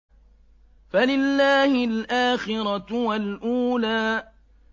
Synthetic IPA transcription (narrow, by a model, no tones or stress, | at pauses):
falɪlːaːhɪlʔaːxɪɾɑwalʔuːlaː